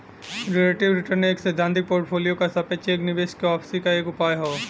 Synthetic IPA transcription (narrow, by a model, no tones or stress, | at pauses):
ɾeleːʈɪʋɾɪʈəɾneeːksɛd̪ʱːãːnt̪̬ɪk̚poːɾʈpʰoːlijokasɐpet͡ʃeːknɪʋeːʃkeɔːpʰsikaeːkʊpaːjɦoː